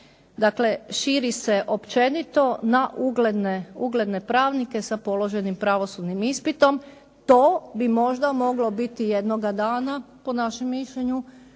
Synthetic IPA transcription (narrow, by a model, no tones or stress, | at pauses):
d̪akle̞ʃiɾise̞ʔo̞pt͡ʃe̞nit̪o̞naʔuɡled̪neuɡle̞d̪ne̞pɾaːʋnike̞sapo̞lo̞ʒe̞nimpɾaʋo̞sud̪nimispit̪o̞m | t̪oːbimo̞ʒd̪amo̞ɡlo̞bit̪ijed̪noɡad̪aːna | po̞naʃemːiʃʎeɲu